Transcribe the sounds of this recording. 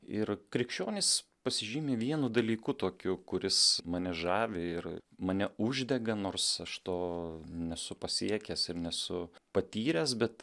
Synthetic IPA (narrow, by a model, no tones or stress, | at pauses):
ɪrkɾʲɪkʃʲt͡ʃʲoːnʲɪspɐsʲɪʒʲiːmʲeːʋʲiɛnʊd̪ɐlʲiːkʊt̪oːkʲʊkʊɾʲɪsmɐnʲɛʒɑːʋʲɪɪrmɐnʲɛʊʒʲd̪ʲɛɡɐnoːɾsɐʃt̪oːnʲɛsʊpɐsʲiɛkʲæsɪɾnʲɛsʊpɐt̪ʲiːɾʲɛːsbʲɛt̪